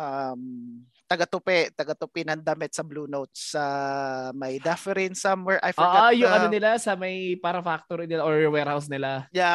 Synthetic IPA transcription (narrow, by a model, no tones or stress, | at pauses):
ʔɐm | t̪ɐɡɐt̪ʊpɛt̪ɐɡɐt̪ʊpinɐnd̪ɐmɪt̪̚sɐbluːnowt̪̚sɐ | mɐjd̪ɛfɛɾinsɐmwɛɹʔa̰jfɛːʔojʊŋʔɐonɪlasɐmɐjpaɾɐfak̚t̪oɾɪnɪlaʔoɹwɛɾhaws̬nɪlaja